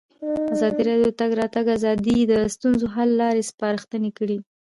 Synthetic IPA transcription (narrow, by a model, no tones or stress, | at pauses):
azɑd̪iɾɑdjot̪aɡɾɑt̪aɡazɑd̪id̪əst̪unzoɦalːɑɾespɑɾəxt̪ənekəɽi